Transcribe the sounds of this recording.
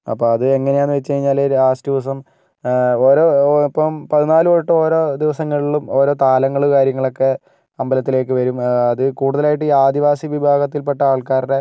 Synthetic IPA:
ɐ̰pːoːɐðɨe̞ŋːɐnejaːnːɨʋet͡ɕːɨkɐɻiɲːaːloɾaːsdiʋɐs̬ɐm | oːɾo̞ːipːɐmpɐðinaːluoːɻɨʈːɨo̞ːɾo̞ːd̪iʋɐsɐŋːɐɭiɭumo̞ːɾo̞ːt̪aːlɐŋːɐɭukaːɾjɐŋːɐɭo̞kːe̞ | ɐmbɐlɐt̪ːile̞ːk̬ːɨʋɐɾumɐðɨkuːɽuðɐlaːjiʈːɨiːaːd̪iʋaːsiʋibʱaːɡɐt̪ːilpeʈːɐaːɭkaːɾuɽe

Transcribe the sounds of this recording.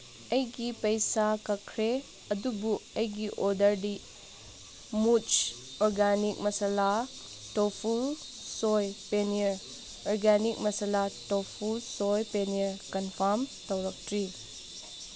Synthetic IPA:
ɐjɡipɐjsakɐkʰɾe | ɐdubuɐjɡiʔodɐɾdi | mut͡ʃ | oɾɡanik̚mɐsala | topʰulsojpeniɐɾ | oɾɡanik̚mɐsalatopʰulsojpeniɐɾkɐnpʰaɾmtɐwɾɐk̚tʰɾi

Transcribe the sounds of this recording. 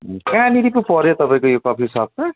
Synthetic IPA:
kãniɾipupʌɾjot̪ʌpãĩkojokʌpʰisʌb̚ta

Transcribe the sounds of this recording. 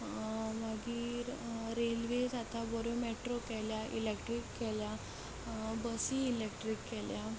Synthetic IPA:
maɡiːɾɾelʋesat̪abɔɾomeʈɾokɛljaʔḭlekʈɾikːɛlja | bəsiːlek̚ʈɾikːɛlja

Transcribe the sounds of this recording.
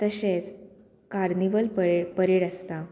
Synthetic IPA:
t̪əɕet͡s | kaɾniʋəlpəpəɾeɽəst̪a

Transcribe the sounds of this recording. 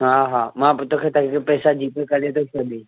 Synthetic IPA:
ɦaːɦaːmãt̪oːkʰeːt̪əkikepɛːsad͡ʑiːpekɐɾet̪ʰosɐdʱi

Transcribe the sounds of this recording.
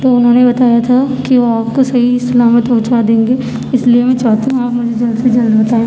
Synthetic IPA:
t̪oːʊnɦõːnebɐt̪aːjat̪ʰakiʋoaːp̚kosɐɦisɐlaːmət̪oːt͡ʃad̪ẽːŋɡeː | ɪslijemɛ̃t͡ʃaːt̪eɦũaːpmʊd͡ʒʱed͡ʒɐld̪sed͡ʒɐld̪bɐt̪aːẽː

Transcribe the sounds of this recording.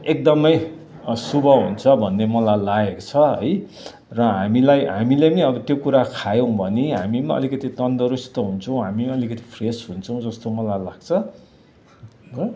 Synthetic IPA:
ek̚d̪ʌmʌj | subʱʌɦunt͡sʰʌbʱʌnːemʌlajlaɡekot͡sʰʌɦʌ̰j | rʌɦamilajɦamileniʌbʌt̪jokuɾakʰajõw̃bʱʌneɦa̰mimʌ̰likʌt̪it̪ʌnd̪ʌɾust̪ʌɦunt͡sʰʌw̃ɦamiʌlikʌt̪i̥pʰresɦunt͡sʰʌ̃w̃d͡zʌst̪omʌlajlaɡ̥̚t͡sʰʌ

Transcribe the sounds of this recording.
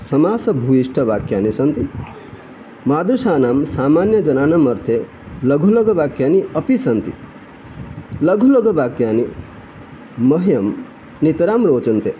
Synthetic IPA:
sɐmaːsɐbʱuiʂʈʰɐʋaːkjaːnisɐnt̪i | maːd̪ɾuʃaːnaːmsaːmaːnjɐd͡ʒɐnaːnɐmɐɾt̪ʰe | lɐɡʱulɐɡʱɐʋaːkjaːniɐpisɐnt̪ḭ | lɐɡʱulɐɡɐʋaːkjaːni | mɐɦjɐm | nit̪ɾaːmɾoːt͡ʃɐnt̪e

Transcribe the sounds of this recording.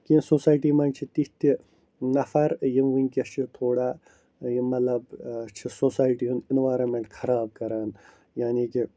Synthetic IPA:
kinsoːsaːjʈiːmɐnt͡ʃʰit̪iht̪i | nɐfʰɐɾjimʋiŋkɐt͡ʃʰit̪ʰoːɽaː | jimɐlɐbt͡ʃʰisoːsaːjʈiːɦuninʋaːɾɐnmeɳʈxʰɐɾaːb̚kɐɾaːn | jaːniːki

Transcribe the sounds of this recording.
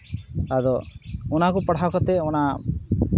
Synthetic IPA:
ad̪ɔunakupɐɽ̤akɔt̪eɔna

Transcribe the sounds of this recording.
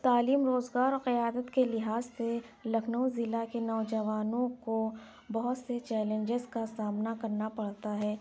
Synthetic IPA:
t̪aːliːmɾoːzɡaːɾɔːɾqɪjaːd̪ət̪kelɪɦaːzselɐkʰnəwzɪlakenɔːd͡ʒɐʋaːnõko | bɐɦʊt̪set͡ʃɛːlə̃nd͡ʒɪzkasaːmnakɐɾnapɐɽt̪aɦɛː

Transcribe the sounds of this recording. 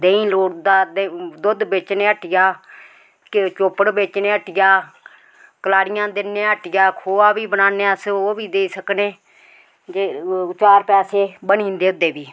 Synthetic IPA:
d̪ẽːĩːloːɽd̪aːd̪d̪ʊd̪beːt͡ʃneːəʈɪjaː | kɪt͡ʃoːpəɽbeːt͡ʃnẽːəʈɪjaː | kəlaːɽɪjãːd̪ɪnːẽːəʈɪjaːkʰoːaːbiːbənaːneːəsoːbiːd̪eːiːsəkneː | d͡ʒeːt͡ʃaːɾpɛːseːbənĩːnd̪eːʊd̪ːeːbiː

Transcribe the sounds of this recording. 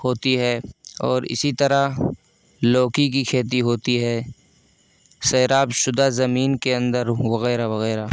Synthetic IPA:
hoːt̪iɦɛːɔːɾɪ̰sit̪əɾa | loːkikikʰeːt̪̬iɦoːt̪iɦɛː | sɐːɾaːbʃʊd̪azɐmiːnkeɐ̃nd̪əɾwɐɣɛːɾaʋɐɣɛːɾa

